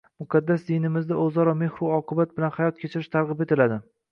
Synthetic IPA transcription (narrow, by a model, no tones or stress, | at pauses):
mʊqʰɑd̪ːasd̪ijnɪmɪzd̪aozɒɾɒme̞hɾuɒqʰɨbat̪̚bɪlanhajɒt̪̚kʲʰet͡ʃʰɪɾɪʃt̪ʰaɾʁɨpe̞t̪ɪlad̪ɪ